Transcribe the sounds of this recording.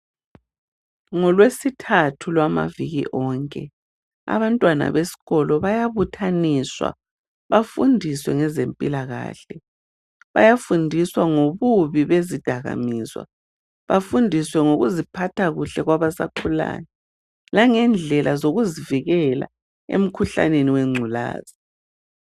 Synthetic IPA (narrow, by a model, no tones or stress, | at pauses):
ŋɔlwesitʰatʰulwama̰viɣḭʔɔːŋkʼɛ | a̰βantʼwana̰βesi̥ɣɔlɔβajaβutʰaniswa̰ | βafundʱiswɛŋɛzempʼilaɣa̰ːɬɛ | βa̰jafundʱiswaŋoβuβiβezid̥ʱaɣa̰miːswa̰ | βafundʱiswɛŋoɣuzipʰatʰaɣuɬɛɣwaβasa̰kʰula̰nɛ | laŋɛnd͡ɮʱɛlʔazoɣuziviɣɛla̰ | ḛm̩kʰuɬa̰neniwɛŋ͡ǀʱula̰ːz̥i